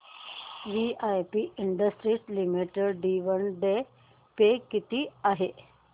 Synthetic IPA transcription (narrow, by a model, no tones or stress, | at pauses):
ʋiajpiʔiɳɖəsʈɾislimiʈəɾɖiʋənɖe | pekit̪iːaɦe